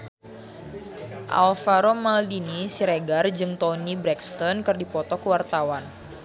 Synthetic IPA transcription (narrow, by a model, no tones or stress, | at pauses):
ʔa̰lfaɾomaldinisiɾeɡard͡ʒɨŋt̪ɔnibɾɛkst̪ɔnkɨrdipɔt̪ɔkəwart̪awan